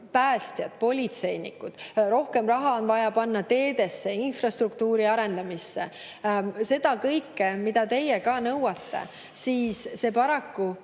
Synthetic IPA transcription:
pæːst̪jɑd̪̥̚po̞lʲit̪se̞jnḭkːˑud̪̥ɾo̞hke̞mrɑɦɑo̞nvɑjɑpɑnːɑt̪e̞ːd̪̥e̞sːe̞infrɑst̪rukt̪uːɾiɑɾe̞nd̪ɑmisːe̞ | se̞d̪̥ɑkɤjkːemid̪̥ɑt̪e̞jekɑːnɤwɑt̪ːe̞̰ | siːsːe̞ːpɑɾɑkːu

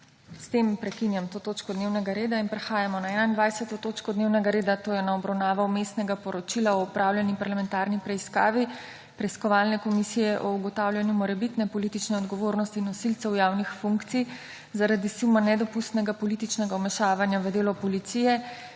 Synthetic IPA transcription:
st̪empɾɛkinjamt̪oːt̪oːt͡ʃkɔd̪neːwnɛɡaɾeːd̪ainpɾɛxaːjamɔnaɛnaind̪ʋajsɛt̪ɔt̪oːt͡ʃkɔd̪newnɛɡaɾeːd̪at̪oːjɛnaɔbɾawnaːʋawmest̪nɛɡapɔɾɔt͡ʃilaɔːpɾawlʲjɛnipaɾlamɛnt̪aɾnipɾɛiska̰ːʋi | pɾɛiskɔʋaːlnɛkɔmisijɛʔɔuɡɔt̪awlʲjanjumɔɾɛbit̪nɛpɔlit̪it͡ʃnɛɔd̪ɡɔʋoːɾnɔst̪iːnːɔsilt̪sɛwjaːwnixfuŋkt̪sij | zaɾad̪isumanɛd̪ɔpust̪nɛɡapɔlit̪it͡ʃnɛɡamɛʃaːʋanjaʋəd̪eːlɔpɔlit̪sijɛ

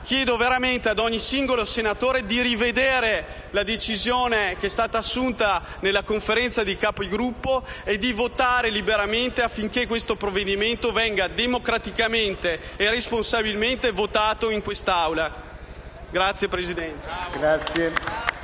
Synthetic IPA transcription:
k̟jɛːd̪oveɾament̪ead̪ɔɲːisiŋɡolosenat̪oːɾed̪iɾived̪eːɾe | lad̪et͡ʃizjoːnekeɛst̪aːt̪aːsːunt̪a | nelːakoɱfeɾɛnt̪sad̪ikaːpoiɡɾupːoed̪ːivot̪aːɾelibeɾament̪eafːiŋkekːwest̪opɾovːed̪iment̪ovɛŋɡad̪emokɾat̪ikament̪eːresponsabilment̪evot̪aːt̪oiŋkwest̪awla | ɡɾat̪sːjepɾesid̪ɛnt̪eɡɾat̪sje

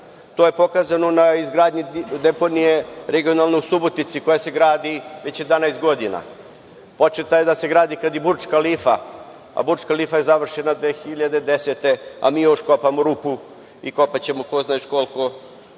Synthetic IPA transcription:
t̪oːje̞po̞kaːzanonaizɡɾaːd̪ɲid̪epo̞nije̞ɾeɡio̞nalˠnojsubot̪it̪siko̞jase̞ɡɾaːd̪iʋe̞t͡ɕed̪anajst̪ɡo̞d̪ina̰ | po̞t͡ʂet̪ajed̪ase̞ɡɾaːd̪ikad̪ibuɾt͡ʃkalifa | a̰buɾt͡ʃkaliːfajezaʋr̩ʃe̞nad̪ʋeːxiʎad̪ed̪eset̪e̞a̰miːjo̞ʃko̞pamoɾupu | iko̞pat͡ɕe̞mo̞koznaiʃko̞lˠko̞

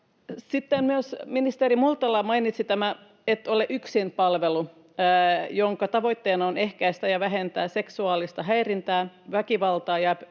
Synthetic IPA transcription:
sit̪ːemmyøsminist̪eɾimult̪ɑlɑmɑinit̪sit̪æmæ | et̪ːoleʔyksinpɑlʋelu | joŋkɑt̪ɑʋo̞it̪ːeːnɑonehkæist̪æjɑʋæɦent̪æːseksuɑːlist̪ɑɦæirint̪æːʋækiʋɑlt̪ɑːjɑ

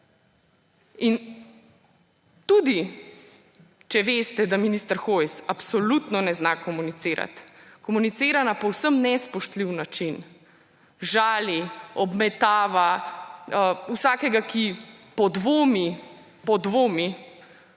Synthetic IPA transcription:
in | t̪uːd̪i | t͡ʃɛʋeːst̪ɛd̪aminist̪əɾxojsapsɔlut̪nɔnɛznakɔmunit̪seːɾa̰t̪kɔmunit̪seːɾanapɔwsəmnɛspɔʃt̪liwnat͡ʃin | ʒaːliɔbmɛt̪aːʋa | əusaːkɛɡakipɔd̪ʋoːmi | pɔd̪ʋoːmi

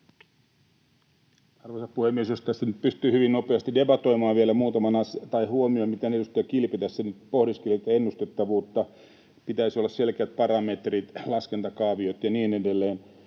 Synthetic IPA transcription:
ɑrʋosɑppuhemːiesjost̪æst̪ænyt̪̚pyst̪yːhyʋinnopeɑst̪idebɑt̪o̞imɑːʋʋielæmuːt̪ɑmɑnɑst̪ɑihuomiomit̪enejust̪ːˑɑkilpet̪æssenyt̪pohdiskelit̪ːenːust̪et̪ːɑʋuːt̪ːɑ | pit̪æisiolːɑsselkeæt̪̚pɑɾɑmet̪rit̪lɑskent̪ɑkɑːʋiot̪jɑniːnedelːeːn

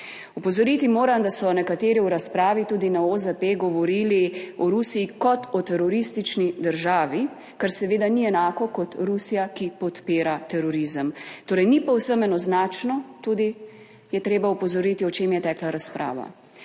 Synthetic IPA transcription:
upɔzɔɾit̪imoːɾamd̪asɔnɛkat̪eːɾiuɾaspɾaːʋit̪uːd̪inaozəpeɡɔʋɔɾiːliɔɾusiːkɔt̪ɔt̪ɛɾɔɾist̪it͡ʃnid̪əɾʒaːʋi | kaɾsɛʋeːd̪aniɛnaːkɔkɔt̪ɾusijakipɔt̪peːɾat̪ɛɾɔɾizəmt̪oːɾɛjnipɔwsəmɛnɔznaːt͡ʃnɔt̪uːd̪i | jɛt̪ɾeːbaupɔzɔɾiːt̪iɔt͡ʃeːmjɛt̪ɛːklaɾaspɾa̰ːʋa̰

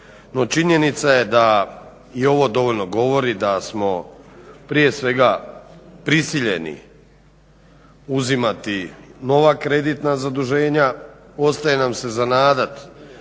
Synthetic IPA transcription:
no̞t͡ʃiɲe̞nit̪sajed̪a | io̞ʋo̞d̪o̞ʋoʎno̞ɡo̞ʋo̞ɾid̪asmo̞pɾije̞sʋe̞ɡa | pɾisiʎḛnḭ | uzimat̪ino̞ʋakɾe̞d̪it̪nazad̪uʒe̞ːɲa | o̞st̪ajenamse̞zanaːd̪at̪

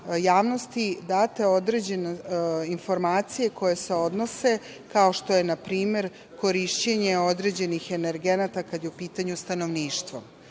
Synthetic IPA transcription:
jaːʋno̞st̪id̪aːt̪e̞o̞d̪ɾe̞d͡ʑe̞neinfo̞ɾmaːt̪sije̞ko̞je̞se̞o̞d̪no̞se̞ | kao̞ʃt̪o̞je̞napɾiːme̞ɾ | ko̞ɾiʃt͡ɕeɲe̞o̞d̪ɾe̞d͡ʑe̞nixe̞neɾɡe̞nat̪akad̪jeupiːt̪aɲust̪ano̞ʋniːʃt̪ʋo̰

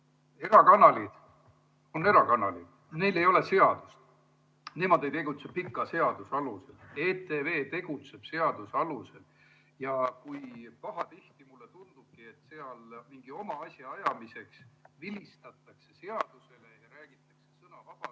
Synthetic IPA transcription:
e̞ɾɑkɑnɑlid̪̥ | o̞ne̞ɾɑkɑnɑlḭd̪̥ | ne̞jle̞jo̞le̞se̞ɑd̪̥ust̪ | nemod̪̥e̞jt̪e̞ɡ̥ut̪sepikːˑɑse̞ɑd̪usɑluse̞leːt̪e̞ve̞ːt̪e̞ɡ̥ut̪se̞b̥se̞ɑd̪̥usɑluse̞l | jɑkujpɑɦɑt̪iht̪imulːe̞t̪und̪̥ub̥̚kie̞t̪ːseɑlmiŋɡ̥io̞mɑɑsʲjɑɑjɑmise̞ksvilʲist̪ɑt̪ːˑɑkse̞se̞ɑd̪̥use̞le̞jɑɾæːɡ̥it̪ːˑɑkse̞sɤnɑvɑb̥ɑ

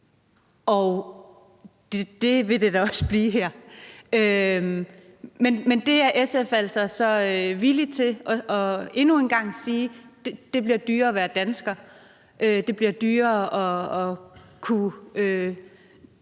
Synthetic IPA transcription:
ɒʊ | d̥ed̥e̝ʋe̝d̥e̝d̥æɒ̽səb̥liːɦæɐ̰ø | menmend̥e̝æɐʔesefæl̰sɐsɒ̽ʋili̥t͡sʰe̝ʔɒ̽ɒ̽e̝nue̝nɡ̥ɑ̈ŋ̰siːd̥ed̥e̝b̥liɐ̰d̥yːɐɒ̽ʋæːɐd̥ænsɡ̥ɐ | ʔød̥e̝b̥liɐd̥yːɐɒ̽ɒ̽kʰuø

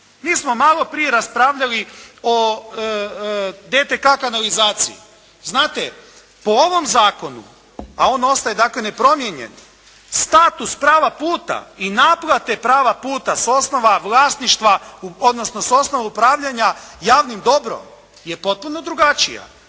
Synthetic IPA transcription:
miːsmo̞malˠo̞pɾije̞ɾaspɾaːʋʎalio | d̪et̪ekakanalizaːt̪sḭḭ | znaːt̪e | poo̞ʋo̞mzaːko̞nṵ | a̰o̞no̞st̪ajed̪akle̞ne̞pɾo̞mjeɲḛn | st̪at̪uspɾaːʋapuːt̪a̰inaplˠat̪e̞pɾaːʋapuːt̪aso̞sno̞ʋaʋlˠaːsniʃt̪ʋaod̪no̞sno̞so̞sno̞ʋaupɾaːʋʎaɲajaːʋnimd̪o̞bɾo̰m | je̞po̞t̪̚puno̞d̪ɾuɡat͡ʃija̰

